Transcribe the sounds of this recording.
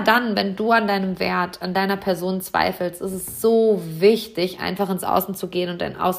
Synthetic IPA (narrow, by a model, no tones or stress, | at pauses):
danvɛnduːandaɪnəmvḛːɐtʰandaɪnɐpʰɛɐzoːnt͡sv̥a̰ɪfl̩stɪstɛsz̥oːvɪçtɪçʔa̰ɪnfaχɪnsʔa̰ʊsn̩t͡suɡeːənʊntd̥a̰ɪnʔa̰ʊs